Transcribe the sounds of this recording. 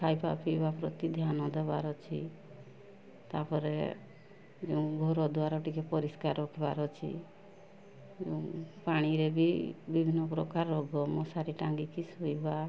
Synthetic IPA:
kʰajpa̰pibapɾɔt̪id̪ʱjanɔd̪eba̰ɾɔt͡ʃʰḭ | t̪apɔɾḛ | d͡ʒeũɡʱɔɾɔd̪waɾɔʈikepɔɾiskaɾɔkʰiba̰ɾɔt͡ʃʰḭ | d͡ʒẽpaɽ̃iɾebibibʱinːɔpɾɔkaɾːɔɡɔmɔsaɾiʈaŋɡikisujba

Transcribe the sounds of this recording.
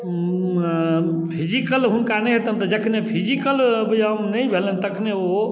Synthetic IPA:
pʰid͡ʒikəlɦunkanɛɦet̪ənt̪ɔd͡ʒəkʰnepʰid͡ʒikəlbəd͡ʒamnəjbʱelənt̪əkʰneo

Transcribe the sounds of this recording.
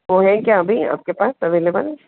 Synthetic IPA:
ʋoɦɛkjaɐbʱia̰ːp̚kepaːsɐʋeːlebə̰l

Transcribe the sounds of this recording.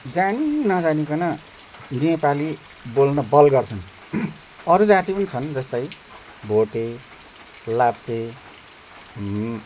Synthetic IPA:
d͡zaninʌd͡zanikʌnʌ | nepali | bolnʌbʌlɡʌrt͡sʰʌn | ʌɾud͡zãt̪ipʌnit͡sʰʌnd͡zʌst̪ʌj | bʱoʈe | lapt̪e

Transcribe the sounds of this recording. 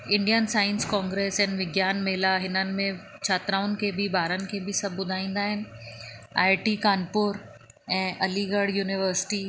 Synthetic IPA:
ɪ̃ɳɖijənsaːɪ̃nskãːŋɡɾeːsɛ̃ːnɪ̆ʋɪɡjaːnmeːlaɦɪnənɪ̆mẽ | t͡ɕʰaːt̪ɾaːʋʊnɪ̆kʰeːbʱɪbaːɾənɪ̆kʰeːbʱɪsɐbʱbʊd̪ʱaːĩːnd̪aːɦɪnɪ̆ | a̰ːɪʈikaːnpʊɾ | ɛ̃ːʔɐliɡəɽ̤juːnɪʋəɾsɪ̥ʈiː

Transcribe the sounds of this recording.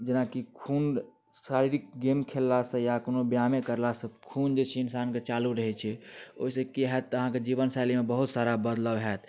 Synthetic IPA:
d͡ʒənakikʰun | saɾiɾik̚ɡemkʰelːasə̃jakonobjamekəɾlasə̃kʰund͡ʒet͡ʃʰɛinsanket͡ʃaluɾəɦɛt͡ʃʰɛo̰ɦisə̃kiɦɛt̪ːəɦãked͡ʒiβənsalimebəɦut̪saɾabəd̪ləbɦɛt̪ʰ

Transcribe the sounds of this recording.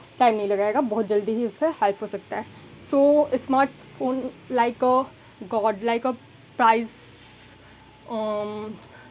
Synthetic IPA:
ʈaɪmnəɐɦĩlɐɡaːeːɡabɔɦʊt̪̚d͡ʒɐld̪iɦiʊskehɛlpʰɦoːsɐk̚t̪aɦɛ̃ː | soːɪsmaːɾʈsfʰoːnlaɪkə | ɡɔːɖlaɪkə | pɾaːɪz

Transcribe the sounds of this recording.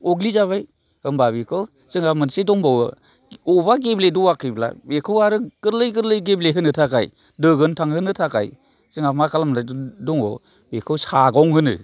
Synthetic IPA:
ɔɡlizaβaj | hɯmbaβikʰɯw | sɯŋamɯnsedɔŋbawɯ̰ | ɔbaɡebledɔwakʰɯbla̰bekʰɯwaɾɯɡ̥ɯɾlɯjɡɯɾlɯjɡebleɦɯnɯtʰakaj | dɯɡɯntʰaŋhɯnɯtʰaka̰j | zɯŋamakʰalamnadɔŋɔ̰ | bekʰɯwsaɡɔŋɦɯnɯ̰

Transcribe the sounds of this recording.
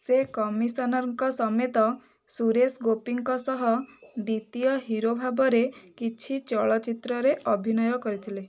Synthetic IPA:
sekɔmisɔnɔɾŋkɔsɔmet̪ɔ | suɾesɡopiŋkɔsɔɦɔd̪it̪ijɔɦiɾobʱabɔɾekit͡ʃʰit͡ʃɔɭɔt͡ʃit̪ɾɔɾeʔɔbʱinɔjɔkɔɾit̪ʰile

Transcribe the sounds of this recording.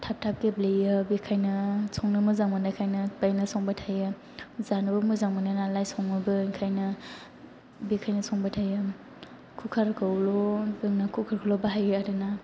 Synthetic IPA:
tʰap̚tʰap̚keblejɯbikʰajnɐsʰɔŋnɯmɯzaŋmɯnakʰajnɐpajnɯsɔŋbatʰajɯ | zanɯbɯmuzaŋmananalajsʰɔŋmɯbɯkʰajnɯ | bikʰajnɐsʰɔŋbatʰajɯ | kʰukʰaɾkʰɯwlobɯŋnɐkʰukʰaɾkʰɯwlɔbaɦajɯadɯna

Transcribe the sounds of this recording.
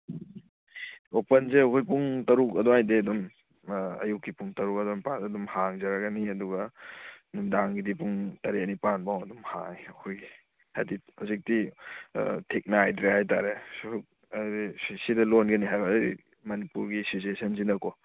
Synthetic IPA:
opɐnzeɐkʰojpuŋtɐɾuk̚ɐdɔŋajdeɐdum | ɐ̰jukːipuŋtɐɾuk̚ɐdɔmpatɐdumhaŋzɐɾɐɡɐniɐduɡɐ | numdaŋɡidipuŋtɐɾenipanbawɐdumha̰jɐkʰojɡi | ha̰jdihawzik̚ti | tʰek̚najdɾehajtaɾeuk̚ | ɾisidɐlonɡɐniɦajbɐɾḭ | mɐnipuɾɡisisuesʰɐnzinɐko

